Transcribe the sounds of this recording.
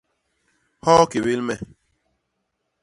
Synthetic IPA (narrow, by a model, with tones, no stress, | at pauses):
hɔ˦ke˨bi˦lme˦